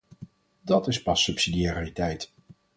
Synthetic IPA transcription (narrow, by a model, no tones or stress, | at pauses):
dɑtɪspɑsːɵpsidiaritɛjt